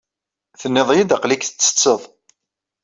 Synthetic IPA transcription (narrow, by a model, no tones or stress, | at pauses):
θənːɪðˤjid̪əqlikθə̥t͡sːə̥t͡sːəðˤ